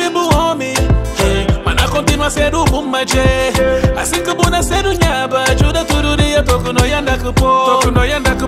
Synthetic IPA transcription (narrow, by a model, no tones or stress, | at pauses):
ibʊɦɔmɪ | ma̰nakɔntinwasɛdubum̩mad͡ʒea̰sikɨbunaseduɲabad͡ʒudatuɾuɾijatokunojandakɨpotokunojandakɨ